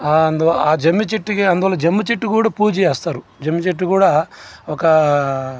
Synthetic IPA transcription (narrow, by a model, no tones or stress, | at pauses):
aɐnd̪uaːd͡ʒɐmːit͡ʃeʈːikiɐnd̪uʋɐːlːɐd͡ʒemːit͡ʃeʈːikuːɽaːpuːd͡ʒijɛːst̪aːɾud͡ʒemːit͡ʃeʈ̬ːikuːɽaːɔkɐ